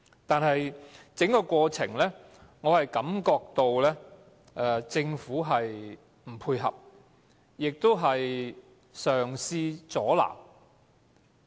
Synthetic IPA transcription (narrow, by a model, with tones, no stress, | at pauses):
t̪aː˨nɦɐ˨jt͡sɪ˨˥ŋkɔ˧kʷɔː˧t͡sʰɪ̰˨˩ŋlɛː˥ | ŋɔː˨˧hɐ˨jkɐ˨˥mkɔː˧k̚t̪o˨˧wlɛː˥ | ʔɛ˧t͡sɪ˧ŋfuː˨˥ɦɐ˨j | m̩˨˩pʰuː˧jɦɐ̰˨p̚ | jɪ˨k̚t̪o˥wɦɐ˨j | sœː˨˩ŋsiː˧t͡sɔː˨˥la̰ː˨˩m